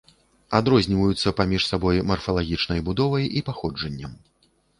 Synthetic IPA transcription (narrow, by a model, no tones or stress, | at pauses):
ad̪ɾɔzʲnʲivɐjut̪sːɐpamʲiʂsabɔjmɐrfɐlˠaɣʲit͡ʂnɐjbud̪ɔvɐjipaxɔd͡ʐɐnʲːɐm